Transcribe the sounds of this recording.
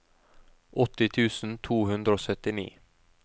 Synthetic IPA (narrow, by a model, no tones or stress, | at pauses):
ʔɔt̪ːɪt̪ʰʉːsn̩t̪ʰuːɦʉnd̪ɾəoːsœt̪ɪnḭː